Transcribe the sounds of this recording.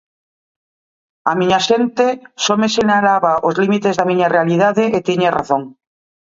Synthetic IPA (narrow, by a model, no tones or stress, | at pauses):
amiɲaʃent̪esomeseɲalaβaʔozlimit̪ezðamĩɲarealið̞aðeʔːt̪iɲera̰θoŋ